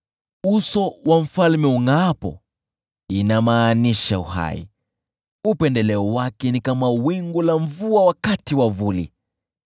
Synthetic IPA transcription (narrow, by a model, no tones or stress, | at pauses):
usɔwaɱ̩falmɛuŋaːpɔ̰ | inamaːniʃauha̰ḭ | upɛndɛlɛɔwakɛnikamawiŋɡulaɱvuawakatiwavulḭ